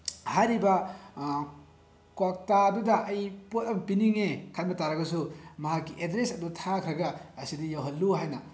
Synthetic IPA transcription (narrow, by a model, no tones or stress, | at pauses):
hajɾibɐ | kwak̚tadudɐʔːjpot̚ɐmpiniŋekʰanbɐtaɾɐɡɐs̬umɐɦakːiʔedɾesɐdutʰakʰɾɐɡɐːsidijawɦɐlːuɦajnɐ